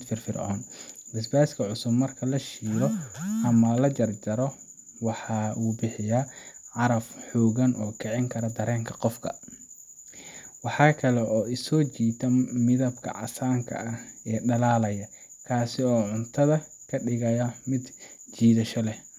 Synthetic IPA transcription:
fɪrfɪrʕɔ̰ːnbɪs̬baːskʰɐʕʊsʊbmɐrkʰɐlɐʃiːɾɔʔɐmɐlɐd͡ʒɐrd͡ʒɐɾɔ | wɑħɑːuːbɪħɪjaʕɑɾɐfħɔːɣɐnʔɔːkʰɛʕɪŋkʰɐɾɐd̪ɐɾɛːŋkʰɐqɔfkʰɐ̰ | wɑħɑːkʰɐlɛʔɔːɪsɔːt͡ʃiːt̪ʰɐmɪðɐbkʰɐ̰ʕɑ̰saːŋkʰɐ̰ʔɐɛːɖɐlaːlɐjɐ | kʰaːsɪɔːʕʊnt̪ʰɐðɐ | kʰɐɖɪɣɐjɐmɪd̪t͡ʃiːðɐʃɔlɛ

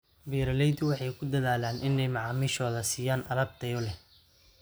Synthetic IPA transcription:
biːɾɐlɛjd̪wɑħɑjkʰʊd̪ɐðaːlaːnʔɪnɛjmɑʕɑːmiːʃɔːðɐsiːjaːnʔɐ̰lɐb̚t̪ʰɐjɔlɛ

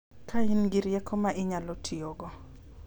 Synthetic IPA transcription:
kʰainɡɪɾjɛkʰɔmaʔɪɲalɔtʰioɡɔ

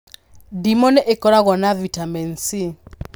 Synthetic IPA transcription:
dimɔnɛʔekɔɾaɣɔnavitamɛnsi

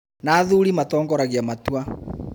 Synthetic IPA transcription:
naːðuɾimatɔːŋɡɔɾaɣiamatwa

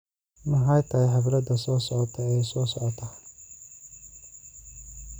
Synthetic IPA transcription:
mɐɦɑjt̪ʰɐːjħɑβlɐd̪ɐsɔːsɔʕɔt̪ʰɔɛjsɔːsɔʕɔt̪ʰɐ

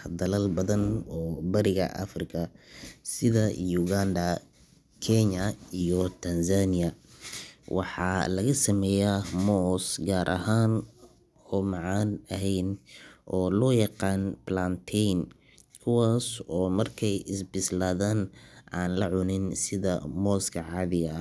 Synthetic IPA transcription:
d̪ɐlɐlbɐðɐnɔːbɐɾɪɣɐ̰ʔɐ̰frɪkʰɐsɪðɐjuɣand̪ɐ | kʰɛɲɐijɔt̪ʰɐnsanɪɐ | wʔɑ̰ħɑ̰ːlɐɣɐsɐmɛːjamɔːsɡaːɾʔɐ̰ɦaːn | ɔːmɑʕɑːnɐɦɛjnʔɔːlɔːjɑqɑːnblant̪ʰɛjn | kʰʊwaːsɔːmɐrkʰɛjɪsbɪslaːðaːnʔaːnlɐʕʊnɪnsɪðɐmɔːskʰɐʕɑːðɪjɐ

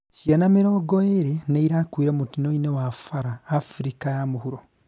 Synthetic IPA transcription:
cianamiɾoːɡoeɾeneiɾakwiːɾemutinoinewafaɾaːfɾikajamuhuɾo

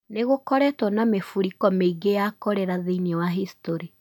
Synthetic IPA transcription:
neɣokɔɾɛtwɔnamefuɾikɔmeiɡejakɔɾɛɾaðeinewaɦistɔɾi

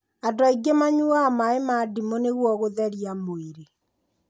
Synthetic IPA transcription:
adwaiɡemaɲuamaemadimoneɣwɔɣoðɛɾiamoiɾe

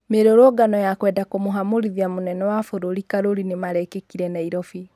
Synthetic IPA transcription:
meɾoɾwɔɡanɔjakwɛːdakomoɦamoɾiðiamonɛnɔwafoɾoɾikaɾoɾinemaɾɛkekiɾɛnaiɾɔfi

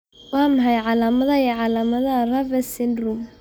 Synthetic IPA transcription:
wɑːmɐħɑjʕɑlaːmɐðɐɛʕɑlaːmɐðɐrɐvɛsɪndrum

